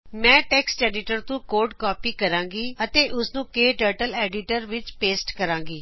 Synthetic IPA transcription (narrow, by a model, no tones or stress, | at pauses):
mɛ̃ːʈɛːksʈɛːɖɪʈəɾt̪ũːkoːɾɖkɔːpiːkəɾãːŋɡiːət̪eːʔʊsnũːkeːʈəːɾʈəlɛːɖiːʈəɾʋɪt͡ʃpeːsʈkəɾãːŋɡiː